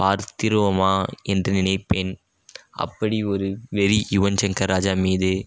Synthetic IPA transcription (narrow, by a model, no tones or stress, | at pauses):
paːɾt̪ɪɾɯʋɐmaːɛndrɐnɪnɐɪpːeːn | ʔɐ̰pːɐɽiɔɾɯʋɛɾijʊʋɐnt͡ʃɐŋkɐɾaːd͡ʒaːmiːðɯ